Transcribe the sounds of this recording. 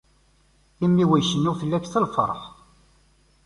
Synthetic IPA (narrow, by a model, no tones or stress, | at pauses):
imːiwæʃənːʊθəlːæçθəlfə̰ɾˤħ